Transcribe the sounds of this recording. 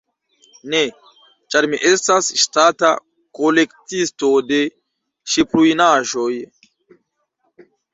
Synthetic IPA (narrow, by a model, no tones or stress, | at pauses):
ne̞ | t͡ʃaɾmiʔe̞stasʃtata̰ | ko̞le̞ktisto̞de̞ | ʃiplujnaʒo̞j